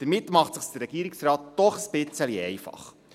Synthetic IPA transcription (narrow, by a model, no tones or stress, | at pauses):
d̪̥əɾmɪtmɑχtsəχsd̪əɾɛɡ̥iːɾiksrɑːt̚d̥ɔχəsb̥ɪt͡səliɛɪfɑ̰χ